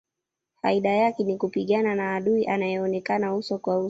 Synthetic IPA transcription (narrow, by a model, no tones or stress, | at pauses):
fa̰iɗajakɛnikupiɠananaːɗuiʔanajɛɔnɛkanausɔkwau